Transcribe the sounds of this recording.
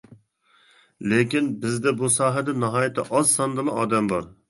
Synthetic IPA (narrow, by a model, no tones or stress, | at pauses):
lekʲinbɪzd̪ɛbusɑːɦɛd̪ɛnɑɦɑːjɪt̪ʰːɛʔɑzsɑnd̪ɨlˠɨɑːd̪ɛmbɑɾ